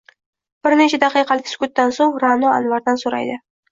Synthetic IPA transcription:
b̥ɪɾnet͡ʃʰad̪ɑqɨjqʰɑlɪkʲsʊ̥kʰʊt̪̚ːansoŋɾanɒa̰nvaɾd̪ansoɾa̰jd̪ɪ

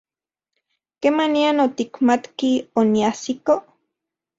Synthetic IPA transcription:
kemanianot̪ikmat̪kioniasiko

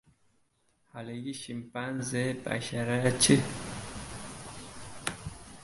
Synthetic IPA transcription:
halejiʃim̩panzɛpa̰ʃaɾaat͡ʃe

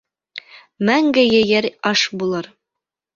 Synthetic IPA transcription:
mæŋɡɘjɘjæɾɑʃbulˠɤɾ

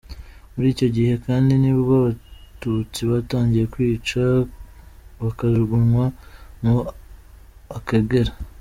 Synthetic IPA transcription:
muɾiːco̞ɟihe̞kaːndiniβoβaβatut͡siβataːɲɟije̞kwiːt͡ʃa | βakazuɡuɾwamu | akaɡeɾa

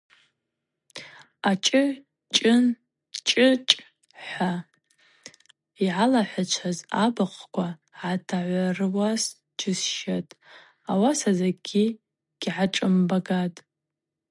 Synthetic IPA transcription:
at͡ʃʼɨ | t͡ʃʼɨɪn | t͡ʃʼɨt͡ʃʼ | ħʷa | iʕalaħʷat͡ʃʷʰazabaqkʷʰaʕatʰaʕʷarɨwas | d͡ʒɪsʃatʼ | awasazaɡʲi | ɡ̥ʲʕaʈ͡ʂʼɨmbaɡatʼ

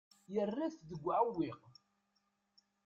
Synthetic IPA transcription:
jərːiθðəɡʷːʕawːiq

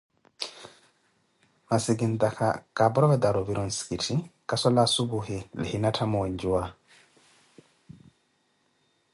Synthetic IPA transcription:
masiɡindakʰa̰kabɔɾɔbɛdaɾɔviɾɔnskitʰikasɔlasubuɦɛlɛ̰hinatʰamɔwɔɲd͡ʒuwa

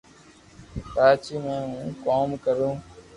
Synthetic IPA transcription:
paːt͡ʃiːmẽːɦũːkoːmkəɾũː

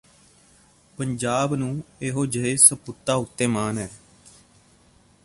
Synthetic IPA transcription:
pəɲd͡ʒaːbnũːeːɦoːd͡ʒəɦeːsəpʊt̪ːaːʊt̪ːeːmaːnɦɛː

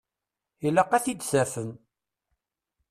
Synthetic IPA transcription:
ilːəqːæθid̪sæɾfən

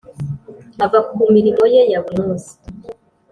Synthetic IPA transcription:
avakumiɾimo̞jejaβunuːzi̥

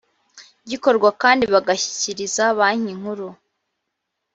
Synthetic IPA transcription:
ɟiko̞ɾɡwakaːndiβaɡaçi̥ciɾizaβaːɲiŋ̥huɾu

